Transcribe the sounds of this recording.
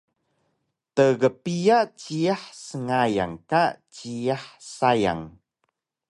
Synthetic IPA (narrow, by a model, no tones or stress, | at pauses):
təɡəpijat͡ɕiaħsəŋaja̰ŋkat͡ɕiaħsaja̰ŋ